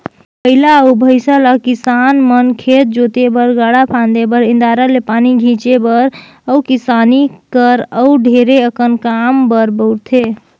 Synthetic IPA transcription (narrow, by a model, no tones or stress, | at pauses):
pəɦilaubʱəɪsəlakisanmənkʰet̪̚d͡ʒot̪ebəɾɡaɽapʰãnd̪ebəɾĩnd̪aɾalepaniɡʱĩt͡ʃebəɾ | əukisanikəɾəɖʱeɾeəkənkambəɾbəwɾt̪ʰe